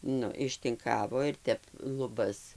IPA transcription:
ˈnʊ ɪʃʲtʲɪŋˈkɑːʋoː ɪr ˈtʲɛp lˠʊˈbɐs

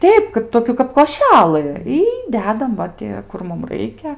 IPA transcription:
ˈtʲɛɪp ˈkɐp ˈtoːkʲuː kɐp koːˈʃʲælˠɨ iː ˈdʲæːdɐm ˈʋɐ tʲɪ ˈkʊr ˈmʊm ˈrɐɪkʲɛ

